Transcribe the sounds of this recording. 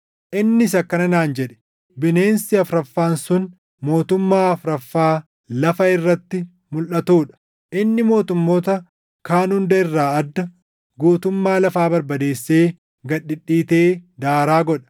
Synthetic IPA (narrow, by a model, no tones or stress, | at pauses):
ʔɪnːɪsɐkːɐnɐnaːnd͡ʒɛᶑɛ̥ | bɪneːnsɪɐfɾɐfːaːnsʊn | mo̞ːt̪ʊmːaːɐfɾɐfːaː | lɐfɐɪrːɐt̪ːɪ | mʊlʔɐt̪uːᶑɐ̥ | ʔɪnːɪmo̞ːt̪ʊmːo̞ːt̪ɐ | kaːnhʊnd̪ɐɪrːaːɐd̪ːɐ | ɡuːt̪ʊmːaːlɐfaːbɐɾbɐd̪e̞ːsːe̞ː | ɡɐᶑɪᶑːiːt̪e̞ːd̪aːɾaːɡɔᶑɐ̥